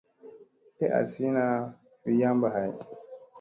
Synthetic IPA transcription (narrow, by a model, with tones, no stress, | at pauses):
te˦ʔa̰˨si˦na˦ | wi˦ja˦mba˨ɦa˨j